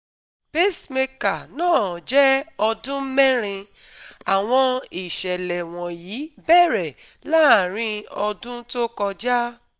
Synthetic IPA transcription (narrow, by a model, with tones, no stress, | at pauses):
pe˦sme˧ka˨nãː˦˨d͡ʒɛ˦ɔ˧dũ˦mɛ˦ɾ̃ĩ˧ | a˨w̃ɔ̃˧i˨ʃɛ˨lɛ˨w̃ɔ̃˨jiː˨˦bɛ˦˨ɾɛ˨ | la˦˨ɾ̃ĩ˧ɔ˧dũ˦to˦kɔ˧d͡ʒa˦